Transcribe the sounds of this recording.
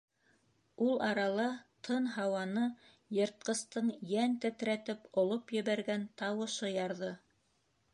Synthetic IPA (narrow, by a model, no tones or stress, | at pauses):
ulˠɑɾɑlˠɑt̪ʰɤnɦɑwɑnɤ | jɤ̆ɾt̪̚qɤ̆st̪ɤɴjænt̪ɘ̆t̪ɾæt̪ɘpŏlˠopjɘ̆βæɾɡænt̪ɑwɤ̆ʃɤjɑɾðɤ